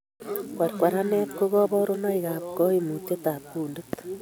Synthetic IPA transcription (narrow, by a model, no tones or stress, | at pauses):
kwaɾikwaɾanetkoɣoβɔɾonaiɣaβkoimutetapuːndet̪